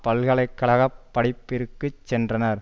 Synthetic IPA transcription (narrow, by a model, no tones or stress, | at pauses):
pɐlɣɐɭɐɪkːɐɭɐɣɐpːɐɽɪpːɪɾɯkːɯt͡ʃːɛndrɐnɐɾ